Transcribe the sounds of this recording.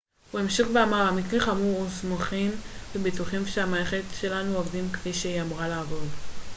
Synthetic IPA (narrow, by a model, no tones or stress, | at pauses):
uemʃiχbeamaʁamik̬ʁeχamuʁusmoχimbebituχimʃeamaeχetʃe̞lanuovdimkfiʃeiamʁaleːvo̞d